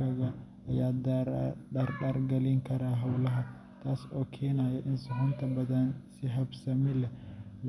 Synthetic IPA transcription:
ɐɣɐ | ɐjaːd̪ | ɐrɗaːrɡɐlɪŋkʰɐɾaːɦɐwlɐɦɐ | t̪ʰaːsɔːkʰɛːnaːjɛʔɪnsʊɦʊnt̪ʰɐbɐðɐnsɪɦɐbsɐmɪlɛl

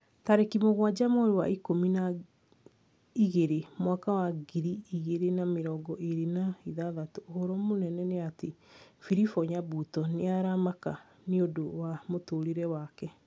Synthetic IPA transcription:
taɾekimoɣwad͡ʑamoɾewa̰ikomina | iɣeɾemwakawaɡiɾiiɣeɾenameɾɔɡɔʔeɾenaiðaðatoohoɾɔmonɛnɛneatefiɾifɔɲabutɔneaɾamaka | neodowamotoːɾeɾɛwakɛ

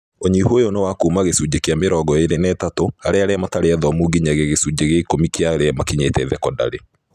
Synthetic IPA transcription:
oɲihojonowakuːmaɣesud͡ʑekeameɾɔːɡɔeɾenɛːtatoaɾɛaɾɛamataɾeɛðɔmuɡiɲaɣeɣesud͡ʑeɣeikomikeaɾɛmakiɲetɛðɛkɔda̰ɾe

